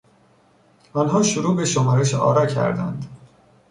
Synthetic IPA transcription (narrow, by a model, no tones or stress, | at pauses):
ɒnɦɒːʃuɾuːbeʃomɒɾeʃɒ̰ːɾɒcʰæ̰ɾd̪æ̰nd̪